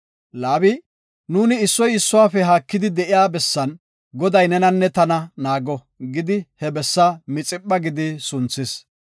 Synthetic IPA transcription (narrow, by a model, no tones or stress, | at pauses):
laːbɪ | nuːnɪːsːɔjɪsːʊwaːfɛɦaːkːɪd̪ɪd̪ɛʔɪjaːbɛsːɐn | ɡɔd̪ɐjnɛnɐnːɛt̪ɐnɐnaːɡɔ | ɡɪd̪ɪhɛbɛsːɐmɪt͡sʼɪpʼːɐɡɪd̪ɪsʊnt͡sːɪs